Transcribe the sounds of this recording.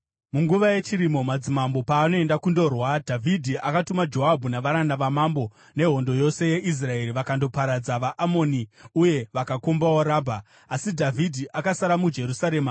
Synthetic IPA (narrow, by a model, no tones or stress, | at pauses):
muŋɡuʋaje̞t͡ʃiɾimo̞mad͡zimambo̞paːno̞e̞ndakundo̞rwadʱavʱidʱiʔakatumad͡ʒo̞ɦabʱunaʋaɾanaʋamambo̞ | ne̞ɦo̞ndojo̞se̞je̞ʔis̬rae̞ɾiʋakando̞paɾad͡zaʋaʔamo̞niuje̞ʋakakombawoɾaːbʱaː | sidʱavʱidʱiʔakasaɾamud͡ʒe̞ɾusaɾe̞ːma